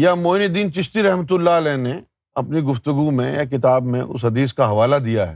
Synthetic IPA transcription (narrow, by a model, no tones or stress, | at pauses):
jamoːnid̪iːnt͡ʃɪʃt̪iɾɐɦmət̪̬ʊlːalɛːne | ɐpniɡʊft̪ʊɡumẽja̰k̬ɪt̪aːbmḛ̃ʔʊ̰sɦɐd̪iːs̬kaɦɐʋaːlad̪ijaɦɛ̰ː